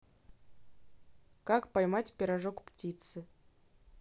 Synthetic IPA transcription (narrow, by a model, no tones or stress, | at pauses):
kakpajmatʲpʲeɾaʐokptʲit̪sɨ